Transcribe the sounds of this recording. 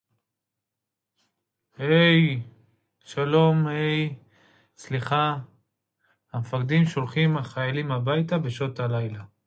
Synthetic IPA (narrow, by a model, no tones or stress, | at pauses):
hej | ʃalo̞mhe̞j | sliχa | hamefaʁd̪imʃo̞lχimaχajalimabajt̪abe̞ʃo̞t̪alajla